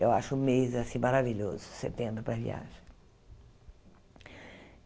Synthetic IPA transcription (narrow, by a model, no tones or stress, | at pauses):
ewa̰ʃʊũmezasĩmaɾaviʎozʊsḛt̪ẽmbɾʊpɾɐvḭa̰ʒẽ